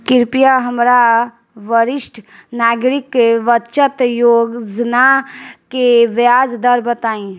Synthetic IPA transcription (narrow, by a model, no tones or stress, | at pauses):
kiɾpijaɦəmɾa | ʋəɾisʈʰnaɡɾikːeʋətːʃət̪joɡd͡ʒnakeʋjad͡ʒd̪əɾbət̪aːĩ